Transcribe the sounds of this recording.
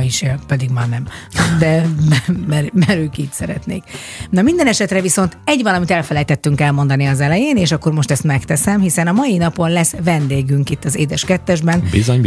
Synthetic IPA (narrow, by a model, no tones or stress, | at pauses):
jiʃeːlpɛd̪iɡmaːnɛmd̪ɛ | mɛɾmɛɾøːkiːcsɛɾɛt̪neːk | nɒmind̪ɛnɛʃɛt̪rɛviso̞nt̪ɛɟʋɒlɒmit̪ɛlfɛlɛjt̪ɛt̪ːyŋkɛlmo̞nd̪ɒniɒzɛlɛjeːneːʃɒkːo̞rmo̞ʃt̪ɛst̪mɛkt̪ɛsɛmhisɛnɒmɒjinɒpo̞nlɛsʋɛnd̪eːɡyŋkit̪ːɒzeːd̪ɛʃkɛt̪ːɛʒbɛnbḭzoɲ